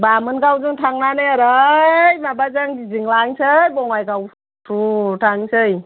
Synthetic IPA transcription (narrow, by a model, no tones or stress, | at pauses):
bamɯnɡawzuŋtʰaŋnanɯaɾajmabazaŋɡiziŋlaŋsʰɯjbɔŋajɡaw | tʰɾutʰaŋsɯj